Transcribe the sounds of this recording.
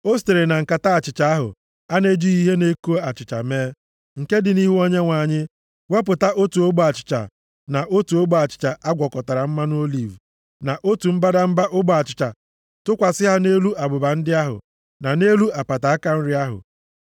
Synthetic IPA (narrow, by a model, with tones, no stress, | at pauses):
o˦ste˨ɾe˨na˨ŋ̩˨ka˨ta˦a˨t͡ʃɪ˨t͡ʃa˨a˦ɦʊ̰˨ | a˦ne˦d͡ʒi˦i˦ɦe˦ne˦ko˦a˨t͡ʃɪ˨t͡ʃa̰˨meː˦ | ŋ̩˨ke˦dɪ˨ni˦ɦu˦o˦ɲe˦ŋʷa˨ɲɪ˦ | we˦p̬ʊ˨ta˦ʔo˦tu˨o˦ɡ͡ba˨t͡ʃɪ̥˨t͡ʃa̰˨ | na˨ʔo˦tu˨o˦ɡ͡ba˨t͡ʃɪ̥˨t͡ʃa˨ʔa˦ɡʷɔ˨kɔ˨ta˨ɾa˨m̩˦ma˦n˦o˦li˨v | na˨ʔo˦tu˨m̩˦ba˦da˦m̩˦ba˦ʔʊ˦ɡ͡ba˨t͡ʃɪ̥˨t͡ʃa̰˨ | tʊ˦kʷa˨sɪ˦ɦa˦ne˦lu˦ʔa˨bʊ˨ba˨n̩˦dɪ˦a˦ɦʊ̰˨ | na˨ne˦lu˦a˨pa˨ta˨a˦ka˦n̩˦ɾɪ˦a˦ɦʊ̰˨